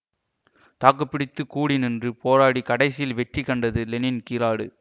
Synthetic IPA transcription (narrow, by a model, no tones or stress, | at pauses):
t̪aːkːɐpːɪɽɪt̪ːɯkuːɽinɪndrɯpoːɾaːɽikɐɽɐɪsɪjɪlʋɛʈrikːɐɳɖɐðɯlɛnɪnkiːɾaːɽɯ̰